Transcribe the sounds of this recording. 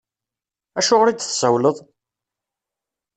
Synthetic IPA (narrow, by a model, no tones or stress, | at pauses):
æʃʊʁɾid̪θsəwləðˤ